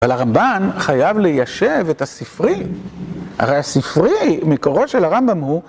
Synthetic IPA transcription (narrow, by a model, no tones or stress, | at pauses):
avalaʁambanχajavlejaʃeve̞tasifʁi | a̰ʁejasifʁimekoʁoʃelaʁambamhu